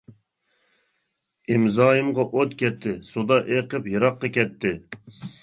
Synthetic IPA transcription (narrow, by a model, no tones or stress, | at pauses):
ɪmzɑːjɨmʁɑʔot̪kʲɛt̪ʰːɪsud̪ɑʔeqəpjɨɾɑqːɑkʲɛt̪ʰːɪ